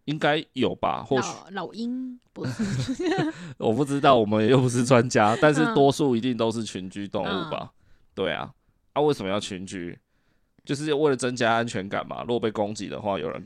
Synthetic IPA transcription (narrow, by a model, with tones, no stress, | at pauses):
i˦ŋka˦ɪjo˨˩ʊba̰˨˩xwɔ˥˩˨lʊi˦˥ŋ˧˥ | wʔɔ˨˩pu˥˩ʈ͡ʂɻ̩˥˦t̪ɑ˥˩ʊwɔ˨˩mə˨˦njɛ˨˩jo˥˩ʊpu˧˥ʂ̬̩˥˨t͡swa˦nt͡ɕja˦t̪a˥˧nʂ̬ɻ̩˥˨t̪wɔ˦su˥˩i˧˥t̪i˥˩ŋt̪o˥ʊʂ̬ɻ̩˥˩t͡ɕʰy˧˦nt͡ɕy˥t̪ɔ̰˥˧ŋu˥˩ba̰˩ | t̪we˥˩ɪa̰˨˩ | a˥˧we˥˩ɪsə˨˩mə˨jɑ˥˩ʊt͡ɕʰy˨˧˦nt͡ɕy̰˥ | t͡ɕjo˥˧ʊʂ̬ɻ̩˥˩jwe˥˩ɪlə˨˩t͡sə˦nt͡ɕja˥a˦nt͡ɕʰɥɛ˧˦nka̰˨˩nma̰˨ɻu˥˩ɔ˨˩pe˥˩ko˦˥ŋt͡ɕḭ˨d̪ə̰˨xwa̰˥˩jo̰˨˩ʊɻə̰˧˦n